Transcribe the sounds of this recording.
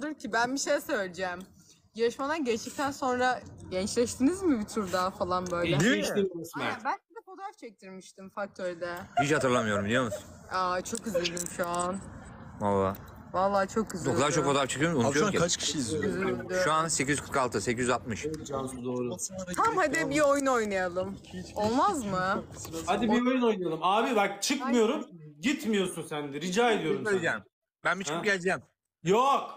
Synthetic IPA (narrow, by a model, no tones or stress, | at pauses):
d̪ɯɾcʰibænbiʃejsølʲd͡ʒɛːm | jaɾɯʃmad̪anɟɛd̪ic̚t̪ʰænso̞nɾaɟɛnt͡ʃlʲɛʃt̪ʰinizmibit̪ʰuɾd̪afalˠanbø̞jlʲɛ | bænʲcid̪ɛpo̞t̪ʰɾaft͡ʃʰɛc̚t̪ʰiɾmiʃt̪ʰimfak̚t̪ʰøɾd̪ɛbit͡ʃhat̪ʰɯɾlˠamɯjo̞ɾumbilʲjo̞musat͡ʃʰo̞kʰɯzlʲid̪imʃuanvalˠːaː | valˠːaːt͡ʃʰokʰːɯzokd̪aɾt͡ʃʰo̞kfoapt͡ʃʰɯkʰɯjomunjoeat͡ʃkʰi̥ʃiziyzd̪ʃuansec̬ʰʲizykʰɯɾkalˠt̪ʰɯse̞cʰizyzat̪̚mɯʃad̪oːɾut̪ʰamhad̪ibio̞jnuojnajalˠɯmo̞lˠmazmɯhad̪ibiojnojnajalˠɯmaːbibakt͡ʃʰɯkmɯjo̞ɾumɟit̪mijo̞sunsænd̪ɛɾid͡ʒaːed̪ijoɾumʲd͡ʒɛːm | bænbit͡ʃʰkʰɯp̚ɟʲælʲd͡ʒɛːm | jok